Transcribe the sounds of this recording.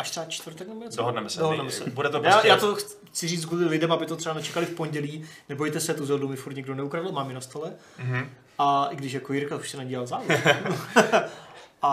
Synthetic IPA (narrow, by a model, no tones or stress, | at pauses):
ʔaʃt̪rɛbat͡ʃt̪vɾt̪ɛknɛmojɛdoɦodnɛmɛsdɛoɦodnɛmɛsɛ̰budɛt̪ojaːjaːt̪ox | xt͡sɪriːt͡s̪ɡulɪlɪdɛmabɪt̪ot̪r̥ɛanɛt͡ʃɛkalɪfpo̞nɟɛliːnɛbo̞jt̪ɛsɛt̪uzɛldumɪfuɾt̪ɲɛɡdonɛukɾadɪlmaːmjɪnast̪olɛ | ʔaʔɪɡdɪʃ̬jakojɪɾkauʃsɛnaɟiːlalzaːvɛ | ʔa